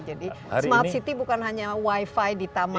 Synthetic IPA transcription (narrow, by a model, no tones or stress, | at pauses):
d͡ʒadi | smart̪sit̪ibukanɦaɲawaifajdit̪ama